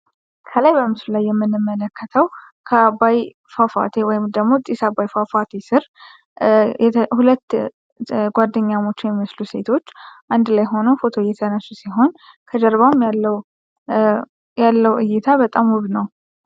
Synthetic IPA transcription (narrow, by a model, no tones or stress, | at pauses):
kʰəlajbəmɨslulajːɛmːɨnːɨmːələkʰːət̪ʰəw | kʰəbaj | fafa̰t̪ʰewɔjɪmd̪əɡmo̞t̪ʼisabajfafat̪ʰesɨɾ | ɛhulət̪ː | ɡʷad̪ːəɲːamo̞t͡ʃːjɛmiməsluse̞t̪ʰo̞t͡ʃːʔand̪lajɦo̞nufo̞t̪ʰo̞jɛt̪ʰənəsusiɦo̞n | kʰəd̪əɾβamalːw | jalːəwʔɨjːɪt̪ʰabət̪ʼamuβnəw